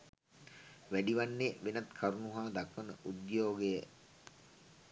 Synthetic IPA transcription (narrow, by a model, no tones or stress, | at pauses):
ʋæɖiʋanːeʋenɐt̪kʰaɾunuɦaːd̪akʋənəʔud̪joːɡejə